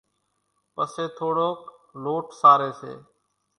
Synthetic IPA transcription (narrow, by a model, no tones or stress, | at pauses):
pəseːt̪ʰoːɽoːkloːʈsaːɾeːsḛː